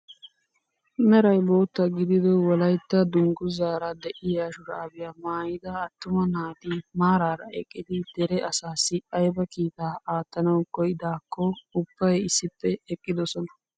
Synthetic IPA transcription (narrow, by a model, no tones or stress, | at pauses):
mɛɾɐjbo̞ːt̪ːɐɡɪd̪ɪd̪ɔwɔlɐjt̪ːɐd̪ʊŋɡʊzaːɾɐd̪ɛʔɪjaːʃʊɾaːbɪjaːmaːjɪd̪ɐːt̪ːʊmɐnaːd̪imaːɾaːɾɐɛ̰kʼːɪd̪ɪd̪̥ɛɾɛʔɐsaːsɪɐjbɐkiːt̪aːaːt̪ːɐnɐwkɔjɪd̪aːkʰːɔʊb̥ːɐjɪsːɪpːɛɛkʼːɪd̪ɔsɔnɐ̥